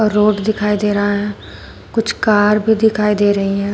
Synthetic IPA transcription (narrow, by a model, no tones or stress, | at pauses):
ɾoːʈd̪ɪkʰaːid̪eːɾɐɦaɦɛ̃ː | kʊt͡ʃʰkaːɾbʱid̪ɪkʰaːid̪eːɾɐɦiɦɛ̃ː